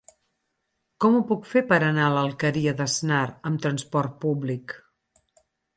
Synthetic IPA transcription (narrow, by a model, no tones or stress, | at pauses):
kɔmupukfepəɾənaləlˠkəɾiəðəznaɾəmt̪ɾənspɔrt̪̚publik